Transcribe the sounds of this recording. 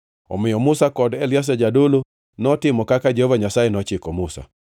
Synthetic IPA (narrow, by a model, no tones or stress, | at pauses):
ɔ̰mɪjɔmʊsakɔdɛljas̬ɛd͡ʒadolo | nɔtɪmɔkakad͡ʒehovaɲasajenɔt͡ʃɪkɔmʊsa̰